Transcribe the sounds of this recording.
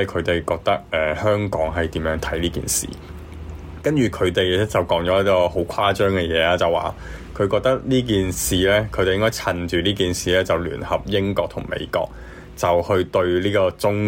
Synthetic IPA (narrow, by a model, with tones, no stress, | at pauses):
ɐ˨jkʰɵ˨˧ɥt̪e˨jkɔː˧k̚t̪ɐ˥k̚ʔɛː˨hœː˥ŋkɔː˨˥ŋɦɐ˨jt̪iː˨˥mjœː˨˧˥ŋt̪ʰɐ˨˥jliː˥kḭ˨nsḭː˨˩ | kɐ˥nt͡ʃyː˨kʰɵ˨˧ɥt̪e˨jɛ˥t͡sɐ˨wkɔː˨˥ŋt͡sɔ˨˥ɐ˥t̪̚kɔː˧ho˨˥wkʰwaː˥t͡ʃœː˥ŋkɛ˧jɛː˨˧laː˦˥t͡sɐ˨˩wa̰ː˨ | kʰɵ˨˧ɥkɔː˧k̚t̪ɐ˥k̚liː˥k̬iː˨nsiː˨˩lɛː˥kʰɥte˨jɪ˥ŋkɔː˥t͡sʰɐ˨˩nt͡ʃyː˨liː˥k̬iː˨nsiː˨lɛː˥t͡sɐ˨wly̰ː˨˩nhɐ˨p̚jɪ˥ŋkɔː˧k̚t̪ʰʊ˨˩ŋmḛ˨˧jkɔ̰ː˧k̚ | t͡sɐ˨whɵ˧ɥt̪ɵ˧ɥliː˥kɔː˧t͡sʊ˥ŋ